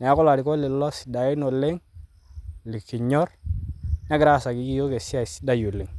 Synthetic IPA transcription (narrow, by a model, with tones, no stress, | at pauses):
nɛ˨a˦kʊ˦la˨dɪ˨ko˦lɪ˨lɔ˦sda˨ɪ˦no˨lɪ˦ŋ | lɪ˨kːi˨ɲɔ˦r | ɲa˦ɡɾa˦˨sa˨ki˨˦ki˦jo˦ke˨sɪ˦a˨sda˦ju˨lɪ˨ŋ